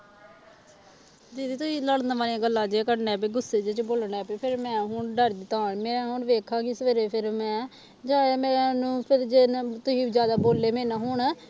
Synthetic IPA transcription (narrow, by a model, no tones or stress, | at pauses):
d͡ʒiːd̪iːt̪ʊsiːləɽnd̪ʋaːɾãːɡəlːãːd͡ʒeːkəʈnɛːp̬eːɡʊsːeːd͡ʒet͡ʃboːlɳɛːpeːpʰɪɾmɛ̃ːɦʊɳɖəɾd̪iːt̪aːɳmɛ̃ːɦʊɳʋeːkʰãːkisəʋeɾeːpʰɪɾmɛ̃ː | d͡ʒaːeːmɛ̃ːnũːpʰɪɾd͡ʒeːt̪ʊsiːd͡ʒjaːd̪aːboːlːeːmẽːnaːɦʊɳ